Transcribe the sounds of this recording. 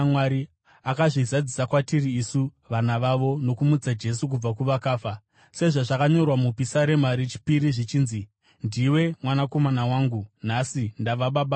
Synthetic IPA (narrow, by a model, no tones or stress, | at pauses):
mwaɾi | akaʐizad͡zisakwatiriːsu | ʋanaʋaʋo̞no̞kumud͡zad͡ʒe̞suk̬ub͡vakuʋakaːfa | se̞ʐaʐakaɲo̞rwamupisaɾe̞maɾit͡ʃi̥piɾiʐit͡ʃiːnzi | ndiwe̞mwanako̞manawaːŋɡunasindaʋaɓaɓa